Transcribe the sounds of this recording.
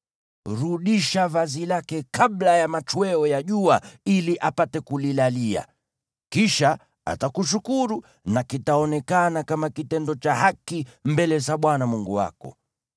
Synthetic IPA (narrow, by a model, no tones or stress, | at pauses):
ɾuɗiʃavazilakɛkaɓlajamat͡ʃwɛɔjaʄuailiʔapatɛkulilalia̰ | kiʃa | a̰takuʃ̬ukuɾu | nakitaɔnɛkanakamakitɛndɔt͡ʃahakimbɛlɛt͡ʃaɓwanamuŋɡuwa̰kɔ̰